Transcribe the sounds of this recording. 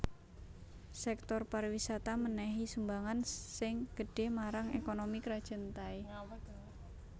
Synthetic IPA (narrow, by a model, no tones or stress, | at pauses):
sɛk̚t̪ɔrparwisat̪amənɛɦisumbaŋansɪŋɡ̥əɖ̥e̤maɾaŋḛkonomikɾad̥ʒ̥ə̤nt̪ai